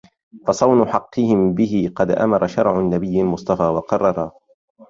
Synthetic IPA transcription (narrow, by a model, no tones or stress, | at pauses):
fɑsˤɑwnʊħɑqːɨhɪmbɪɦɪqɑd̪ʔa̰mɑɾˤɑʃɑɾˤʕʊnːabɪjːalmʊsˤt̪ˤɑfaːwɑqɑrˤːɑɾˤɑ